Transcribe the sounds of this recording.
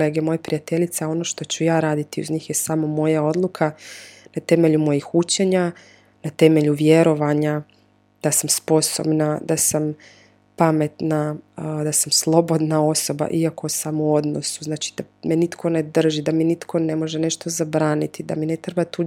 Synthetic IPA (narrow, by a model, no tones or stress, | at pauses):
eːɡemo̞jepɾijat̪e̞ʎit̪saao̞no̞ʃt̪o̞t͡ɕujaːɾaːd̪it̪iṵzɲiːxje̞samo̞mo̞jao̞d̪lˠukʰanat̪e̞me̞ʎumo̞jixut͡ɕeɲa | nat̪e̞me̞ʎuʋjeɾo̞ʋaɲa | d̪̥asamspo̞so̰bnad̪asam | pame̞t̪nad̪asamslˠo̞bo̞d̪nao̞so̞ba̰ʔiako̞samoo̞d̪no̞̰suznaːt͡ʃi̥d̪amenit̪kʰo̞ne̞d̪r̩ʒid̪aminit̪kʰo̞ne̞mo̞ʒene̞ʃt̪o̞zabɾaːnit̪id̪a̰mine̞t̪ɾe̞bat̪u